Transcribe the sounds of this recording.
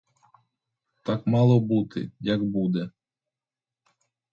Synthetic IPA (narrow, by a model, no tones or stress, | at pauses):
t̪ɑkmɑlˠɔbut̪ɪ̰jɐɡbud̪ɛ